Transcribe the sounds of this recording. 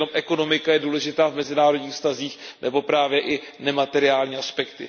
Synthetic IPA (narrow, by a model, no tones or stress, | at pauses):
omʔɛko̞no̞mɪkajɛduːlɛʒɪt̪aːvmɛzɪnaːɾodɲiːfst̪aziːxnʔɛbo̞pɾaːvjɛʔɪ | nɛmat̪ɛɾɪaːlɲiːaspɛkt̪ɪ̰